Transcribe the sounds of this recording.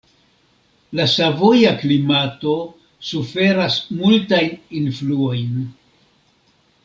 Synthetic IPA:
lasavo̞jaklimato̞ | sufe̞ɾasmultajninfluo̞jn

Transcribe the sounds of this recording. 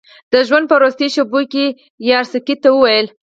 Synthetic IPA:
d̪̥əʒwand̪̚pəɾost̪eʃoboke | jɑɾsɪkit̪ːawəwajəl

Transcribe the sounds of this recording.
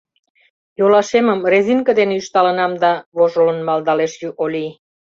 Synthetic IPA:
jolɑʃeməmreziŋkəd̪eneyʃt̪ɑlənɑmd̪ɑβoʒolənmɑld̪ɑleʃjuʔolʲi

